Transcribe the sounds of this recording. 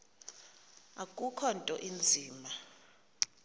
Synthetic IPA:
akʼukʰɔntʼɔʔind͡zʱiːma

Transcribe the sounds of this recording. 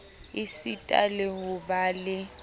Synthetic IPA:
ɪsitʼa̰lɪɦʊbalɪ

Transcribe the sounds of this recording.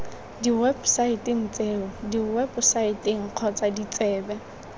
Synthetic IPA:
diwɛbsaitʼɪŋ̩t͡sʼeːʊdiwɛbʊsaitʼɪŋ̩q͡χʰɔt͡sʼadit͡sʼɛːbɛ

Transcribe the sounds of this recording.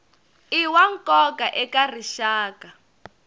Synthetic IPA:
iwaŋkʼɔkaʔɛkar̤iʃaːka

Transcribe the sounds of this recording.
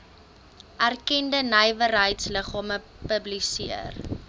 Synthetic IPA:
ʔærkɛndənəjvərɦəjtsləχɑːmə | pəblisiər

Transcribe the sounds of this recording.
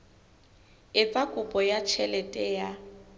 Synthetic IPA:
ɪt͡sʼakʼʊpʼɔjat͡ʃʰɛlɛtʼɛja

